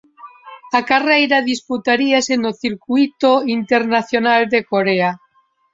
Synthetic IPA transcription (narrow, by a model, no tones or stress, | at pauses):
akarejɾaðisput̪aɾiasenoθiɾkwit̪oint̪eɾnaθjonald̪ekoɾea